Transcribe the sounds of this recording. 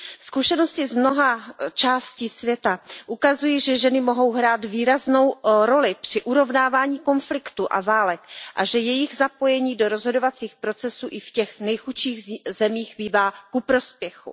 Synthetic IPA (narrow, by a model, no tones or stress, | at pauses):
skuʃɛno̞scɪzmno̞ɦat͡ʃaːsciːsvjɛt̪aʔukazujiʒɛʒɛnɪmo̞ɦo̞wɦɾaːt̪viːɾazno̞wɾo̞lɪpr̥ɪʔuɾo̞vnaːvaːɲiːko̞nflɪkt̪uʔa̰vaːlɛkʔa̰ʒɛjɛjɪɣzapo̞jɛɲiːdo̞ɾo̞zɦo̞do̞vat͡siːxpɾo̞t͡sɛsuːʔɪfcɛxnɛjxuʃiːɣzɛmiːxbiːvaːkupɾo̞spjɛxṵ